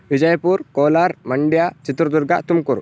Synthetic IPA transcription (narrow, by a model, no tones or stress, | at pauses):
ʋid͡ʑəjpuɾkoːlaɾməɳɖjat͡ʃit̪ɾəd̪uɾɡat̪umkuɾ